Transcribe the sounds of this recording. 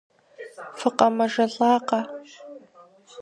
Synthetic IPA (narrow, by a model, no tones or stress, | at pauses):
fɨqʼɐmɐʒɐɮʼɑːqɐ